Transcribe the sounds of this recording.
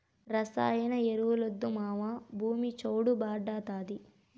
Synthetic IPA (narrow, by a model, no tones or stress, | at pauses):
ɾɐsa̰ːjɐnɐeɾuwulod̪ːumaːʋabʱuːmit͡ʃoːɽubaːɖaːt̪aːd̪i